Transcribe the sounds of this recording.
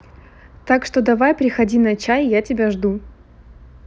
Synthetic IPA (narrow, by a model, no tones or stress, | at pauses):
t̪akʂt̪o̞d̪ɐvajpɾʲɪxɐdʲinɐt͡ɕajjatʲɪbʲaʐd̪u